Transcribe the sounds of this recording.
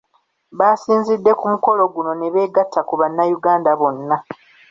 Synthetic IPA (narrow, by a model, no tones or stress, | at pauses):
βaːsiːnzidːe̞kumuko̞lo̞ɡuno̞neβe̞ːɡatʰːakuβanːajuɡaːndaβo̞nːa